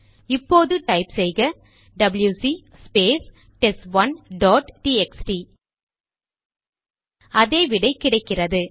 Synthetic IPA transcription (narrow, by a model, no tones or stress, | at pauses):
ɪpːoːðɯʈɐɪpsɛjɣɐ | ɖɐbɪljuːsi | speːs | ʈɛsʋɐnɖɔːʈʈiːɛksʈi | ɐðeːʋɪɽɐɪkːɪɽɐɪkːɪrɐðɯ